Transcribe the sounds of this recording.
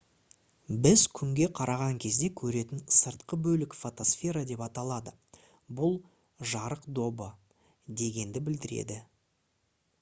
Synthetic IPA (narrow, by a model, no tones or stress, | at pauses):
bɪzkʲʰʏŋɡʲe̞qʰɑɾʔɑʁɑŋkʲʰe̞zd̪e̞kʲʰɵɾe̞t̪ɪnsəɾt̪qəbɵlɪkfo̞t̪o̞sfʲe̞ɾad̪e̞pɑt̪ɑlˠɑd̪ə | bʊlˠ | ʒɑɾəqd̪o̞bə | d̪e̞ɡʲe̞nd̪ɪbɪld̪ɪɾe̞̰d̪ɪ